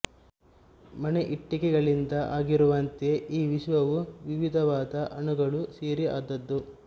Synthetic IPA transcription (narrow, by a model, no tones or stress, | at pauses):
mɐneʔiʈːikɛɡɐɭind̪ɐʔaːɡiɾuʋɐnt̪e̞ʔiːʋiʃʋɐʋuʋiʋid̪ʱɐʋaːd̪ɐʔɐɳuɡɐɭuseːɾia̰ːd̪ɐd̪ːu